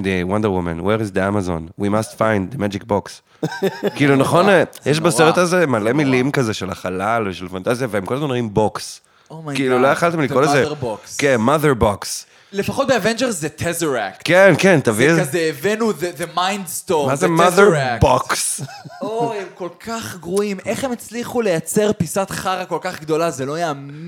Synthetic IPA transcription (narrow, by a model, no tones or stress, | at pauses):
d̪ewand̪əwumã̰nweʁizd̪iamazõ̰nwimastfãjnd̪demad͡ʒik̚boks | kiilunaχo̞njeʃ̬baseʁet̪azemalemilimkazeʃelaχalalveʃvilafant̪azijaveemkolazmanʁoimboks | kiiluloaχaltemlikkolezebokskenmaðeʁboks | lefaχo̞t̪̚beavend͡ʒeʁsːet̪ʰezeʁaktkenkent̪avieːvenuðeðemajndst̪omazemaðeaboksoemko̞lkʰaχɡʁuimeχhemet͡sliχulejat͡seʁpisat̪χaʁako̞lkaχɡd̪o̞lazelo̞ajam